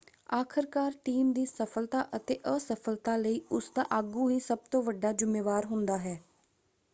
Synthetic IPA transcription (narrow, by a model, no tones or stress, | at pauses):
aːkʰəɾkaːɾʈiːmd̪iːsəpʰəlt̪aːʔət̪eːʔəsəpʰəlt̪ãːləiːʊsd̪a̰ːʔaːɡũːɦiːsəb̚t̪õːʋəɖaːd͡ʒɪmːeːʋaːɾɦʊnd̪aːɦɛː